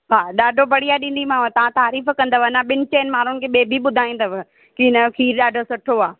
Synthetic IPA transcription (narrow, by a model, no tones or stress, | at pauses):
ɦaːɗaːɖʱobɐɽiaːɗĩːnd̪imãːʋət̪ɐʋ̤ãt̪aːɾiːfkɐ̃nd̪əʋənãɓɪnɪ̆t͡ɕeːnmaːɾ̤ʊnɪkʰeːɓeːbʱiɓʊd̪ʱaːĩːnd̪əʋ | kinəkʰiːɾɗaːɖʱosʊʈʰoaː